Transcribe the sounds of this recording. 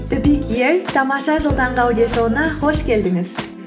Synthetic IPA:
t̪ɪbikʲjeɾt̪ʰɑmɑʃɑʒəlˠd̪ɑɴʁɑwd̪ieʃoənɑχo̞ʃkʲʰe̞ld̪ɪŋɪz̥

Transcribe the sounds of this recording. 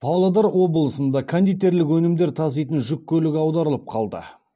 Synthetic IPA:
pʰɑwlˠad̪ɑɾwo̞bəlˠəsənd̪ɑkʰand̪ijt̪e̞ɾlɪkwɵnɪmd̪e̞ɾt̪ʰɑzejt̪ənʒʏkʰʲːɵlɪkʲɑwd̪ɑɾəlˠəp̚qʰɑlˠd̪ə̰

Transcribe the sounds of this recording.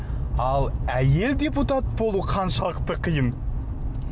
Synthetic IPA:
ɑlˠæje̞ld̪ʲe̞put̪at̪̚bo̞lˠuqʰɑnʃɑlˠəqt̪əqʰəjən

